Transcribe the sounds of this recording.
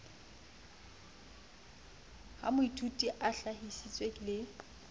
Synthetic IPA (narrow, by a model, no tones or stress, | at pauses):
ha̰mʊitʰutʼiʔaɬaɦisit͡sʼwekʼilɪ